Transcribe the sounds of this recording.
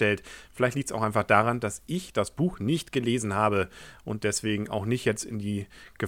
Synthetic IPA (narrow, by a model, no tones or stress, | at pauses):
ɛltfɪlaɪçtliːk̚tsaʊxaɪnfaχd̥aːʁ̞andasɪçd̥asb̥uːxnɪçtɡ̥əleːzn̩ɦaːbəʔʊnt̚d̥ɛsv̥eːɡŋ̩a̰ʊxnɪçtjɛt͡stɪ̰ndiːɡ̥ə